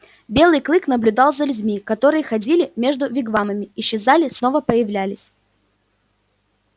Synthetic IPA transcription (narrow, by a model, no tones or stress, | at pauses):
bʲe̞lˠɨjklˠɨknəblʲʉd̪ɑlˠzəlʲʉdʲmʲikɐt̪o̞ɾɨjəxɐdʲilʲɪmʲe̞ʐd̪ʊvʲɪɡvaməmʲɪɪɕːɪzalʲɪsno̞vəpəjɪvlʲælʲɪsʲ